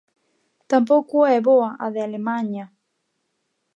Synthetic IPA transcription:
t̪ampokueβoaʔaðealemãɲa

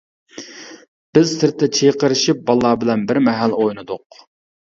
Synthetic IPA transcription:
b̥ɪz̥sɪɾt̪ʰːɛt͡ʃʰeqəɾɪʃip̚bɑlˠːɑːbɪlɛnbɪɾmɛɦælojnɨd̪ʊq̚

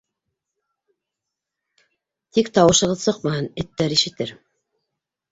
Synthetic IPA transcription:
t̪ikt̪ɑwɤ̆ʃɤ̆ʁɤðsɤqmɑhɤnɘ̆t̪ːæɾiʃɘ̆t̪ɘɾ

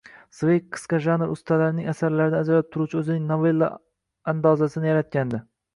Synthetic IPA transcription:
svejkqʰːɨ̥sqɑʒanɾʊst̪ʰalaɾɪnɪŋasaɾlaɾɪd̪aːd͡ʒalap̚t̪ʰʊɾut͡ʃʰɵzɪnɪŋnovelˠːa̰ | and̪ɒzasɪnɪjaɾat̪̚kʲand̪ɪ

